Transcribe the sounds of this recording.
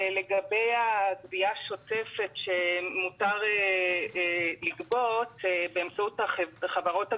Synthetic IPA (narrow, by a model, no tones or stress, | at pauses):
leɡabe̞jaɡbiaʃo̞tefe̞tʃemutaʁe | liɡbo̞tbeemt͡sautaχχavaʁo̞ta